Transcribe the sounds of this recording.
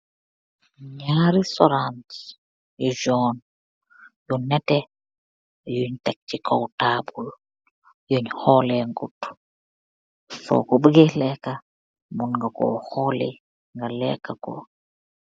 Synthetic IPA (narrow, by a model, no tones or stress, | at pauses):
ɲaɾisɔɾant | jud͡ʒɔn | junɛtɛ | juɲtak̚t͡ʃikʰɔwtaːbul | juɲhɔlɛŋɡut | fɔ̰kɔbəɡɛlɛka | munŋɡakɔ̰hɔlɛ̰ | ŋɡalɛkːakɔ̰